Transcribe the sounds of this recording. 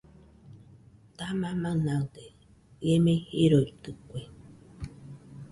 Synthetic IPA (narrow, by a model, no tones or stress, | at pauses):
t̪amãmãnãd̪e | emẽheɾoit̪ɨkʷe